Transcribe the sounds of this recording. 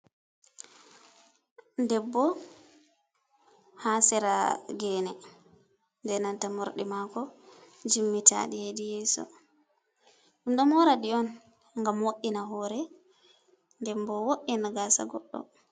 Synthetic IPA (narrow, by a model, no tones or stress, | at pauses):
ndɛbːɔ | haːsɛɾaɡɛːnɛ | ndɛnantamoɾɗimakɔ | d͡ʒimːita̰ɗihedijɛːsɔ̰ | ɗumɗɔmɔɾaɗiɔn | ŋɡamwoʔːinaɦɔɾɛ | ndɛmbɔwoʔːinaɡasa̰ɡɔɗːɔ̰